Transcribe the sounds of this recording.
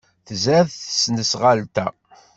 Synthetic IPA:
θəzæðθəsnəsʁalt̪æ

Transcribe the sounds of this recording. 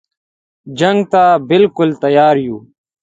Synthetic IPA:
d͡ʒɐŋɡt̪aːbɪlkʊlt̪ɐjaːɾjuː

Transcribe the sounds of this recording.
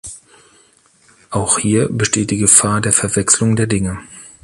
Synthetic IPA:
ʔaʊxhiːɐbəʃteːt̚d̥iːɡəfaːɐdeːɐfɛɐvɛkslʊŋdeːɐdɪŋə

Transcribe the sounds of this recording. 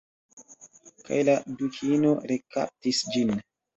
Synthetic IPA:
ka̰jladukʰino̞ɾeka̰p̚tisd͡ʒin

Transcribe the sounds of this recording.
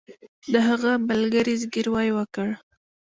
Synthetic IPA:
d̪əɦaɣabalɡaɾizɡiɾwɑjwəkəɽ

